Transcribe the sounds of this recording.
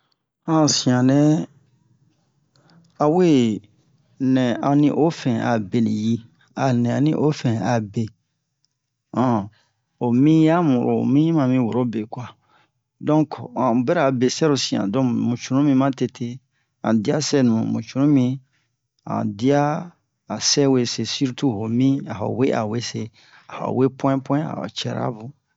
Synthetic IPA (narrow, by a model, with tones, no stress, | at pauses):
ã˨sĩ˨ã˨nɛ̃˦ | a˨we˦ | nɛ̃˨ã˨nĩ˦ʔo˦fɛ̃˨a˨be˨li˨ji˦ | a˨nɛ̃˨ã˨nĩ˦ʔo˦fɛ̃˨a˨be˨ | ã˨ | o˨mĩ˦ja˦mu˨ɾo̰˨mĩ˦mã˨mĩ˦wo˨ɾo˦be˨kwa˨ | dɔ̃˦kã˨bɛ˦ɾa˨be˨sɛ˦ɾo˨sĩ˨ã̰˨dɔ̃˦mũ˨t͡ʃu˨nũ˦mĩ˦mã˦te˨tʰe˦ | ã̰˨di˦a˦sɛ˦nũ˨ũ˨mṵ̃˨t͡ʃu˨ɾũ˦mĩ˦ | ã̰˨di˦a˦ | a˨sɛ˦we˨se˨si˦ɾtu˦ho˨mĩ˦a˨ha̰˨we˦ʔa˨we˦se˦ | a˨ha̰˨we˦pw̃ɛ̃˦pwɔ̃˦ɛ̃˦a̰˨t͡ʃɛ̰˨ɾa̰˦bũ˨